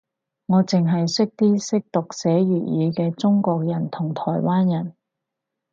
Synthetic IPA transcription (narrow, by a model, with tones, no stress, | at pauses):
ŋɔː˨˧t͡sɪ˨ŋɦɐ˨jsɪ˥k̚t̪iː˥sɪ˥k̚t̪ʊ˨k̚sɛː˨˥ɥyː˨˩jiː˨˧kɛː˧t͡sʊ˥ŋkɔː˧k̚jɐ˨˩nt̪ʰʊ˨˩ŋt̪ʰɔː˨˩jwaː˥njɐ˨˩n